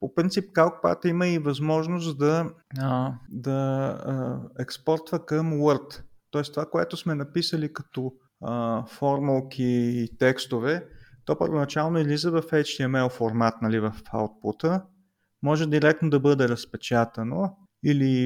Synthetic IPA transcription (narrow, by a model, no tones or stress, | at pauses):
popɾint̪sipkalˠk̚pa̰t̪iməivɐzmɔʒnos̬t̪d̪ɐəd̪ɐ | ɛkspɔɾt̪vəkəmwəɾt̪t̪ɔɛst̪ovakoɛ̰t̪ʊsmɛnɐpisəlikɐ̥t̪ɔ | əfɔɾmolˠk̟ʰʲiːt̪ɛkst̪ovɛt̪ɔpəɾvonɐt͡ʃalˠnoizlizəvɐfɛjt͡ʃt̪iəmɛofoɾmat̪nɐlivɐfa̰wt̪̚pot̪ə | mɔʒɛd̪iɾɛk̚t̪nod̪ɐbɤd̪ɛɾɐspɛt͡ʃat̪ɐno | ili